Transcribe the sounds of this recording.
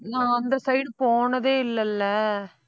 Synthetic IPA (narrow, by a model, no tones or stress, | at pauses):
nãːɐnd̪ɐsɐɪɽpoːnɐðeːɪlːɐlːɐ